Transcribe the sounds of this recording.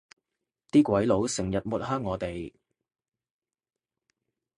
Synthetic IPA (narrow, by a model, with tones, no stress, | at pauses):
t̪iː˥kʷɐ˨˥jlo˨˥wsɪ˨˩ŋjɐ˨t̚mʊ˨˩t̚hœː˥ŋːɔː˨˧t̪e˨˩j